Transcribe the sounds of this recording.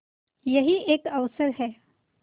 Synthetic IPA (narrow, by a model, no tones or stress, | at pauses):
jɐɦiʔeːkɐʋsəɾɦɛː